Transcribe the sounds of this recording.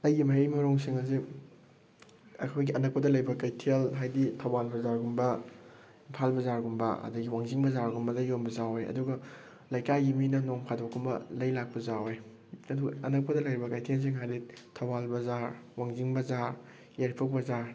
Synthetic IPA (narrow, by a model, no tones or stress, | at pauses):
ɐjɡimɐɾimɐɾoŋsiŋɐzi | ɐ̰kʰojɡiʔɐnɐk̚pɐdɐlɐjbɐkajtʰelɦajditʰɐwbalbɐzaɾɡumbɐ | impʰalbɐzaɾɡumbɐ̰ɐ̰duɡiwaŋziŋbɐzaɾɡumbɐzɐjombɐzawjɐ̰duɡɐ | lɐjkajɡiminɐnoŋpʰadokʰːumbɐ̰lɐjlak̚pɐzawj | ɐduɡɐɐnɐk̚pɐdɐlɐjɾibɐkajtʰels̬iŋɦajditʰɐwbalbɐzaɾwaŋziŋbɐzaɾ | jaɾipʰɐk̚bɐzaɾ